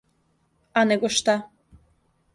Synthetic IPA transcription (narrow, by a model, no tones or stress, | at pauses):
ɑneɡoʃt̪ɑ